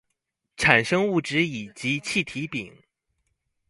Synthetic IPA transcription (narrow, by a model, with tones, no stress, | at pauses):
ʈ͡ʂʰa˨˩nʂɤ˥ŋu˥˩ʈ͡ʂɻ̩˧˥i˨˩t͡ɕi˧˥t͡ɕʰi˥˩t̪ʰi˧˥pi˨˩˦ŋ